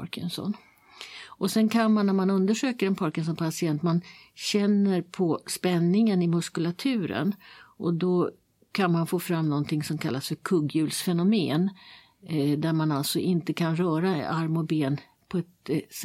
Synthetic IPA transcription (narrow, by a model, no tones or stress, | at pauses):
ɾkʰə̰nsɔ̰n | ʔɔsɛnkʰanmanːæɾmanɵnd̪əʂøːkəɾɛnpʰɑɾkəns̬ɔmpʰasɪɛnt̪manɕɛnːəɾpʰɔspɛnːɪŋənɪmɵskɵlat̪ʰʉ̟ːɾə̰nʔɔd̪ɔ | kʰanmanfoːfɾamnɔnt̪ʰɪŋsɔmkʰalːasfœɾkʰɵɡjʉ̟ːlsfɛnʊmeːn | d̪æɾmanalt̪sɔʔɪnt̪əkʰanɾœːɾaaɾmɔbeːn | pʰɔɛt̪